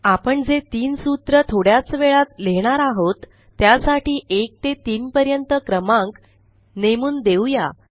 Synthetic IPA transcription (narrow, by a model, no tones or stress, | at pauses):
apəɳd͡zet̪iːnsut̪ɾət̪ʰoɽjat͡sʋeɭat̪leɽ̃aɾaɦot̪ː | jasaʈiːʔek̚t̪et̪iːnpəɾjənt̪əkɾəmãŋk | nemuːnd̪ewja